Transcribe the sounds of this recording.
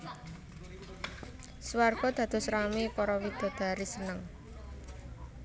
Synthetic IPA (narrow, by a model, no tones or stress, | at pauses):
swarɡ̥ɔ̤d̪̥ä̤d̪̥ɔ̤sɾamipɔɾɔwid̪̥ɔ̤d̪̥a̤ɾisənəŋ